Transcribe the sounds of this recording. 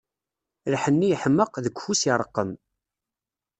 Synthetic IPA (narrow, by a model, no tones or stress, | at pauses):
ɾħənːijəħəmːəqðəkʷhusiɾˤəqːəm